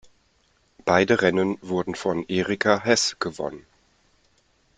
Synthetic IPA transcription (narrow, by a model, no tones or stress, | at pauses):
b̥aɪdəʁɛnənvʊɐdn̩fɔnʔeːʁikʰaɦɛsɡ̥əvɔ̰nən